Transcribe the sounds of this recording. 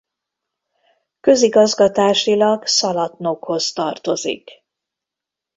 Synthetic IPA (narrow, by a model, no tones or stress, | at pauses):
kø̞ziɡɒzɡɒt̪aːʃilɒɡsɒlɒt̪nokho̞st̪ɒrt̪o̞zḭk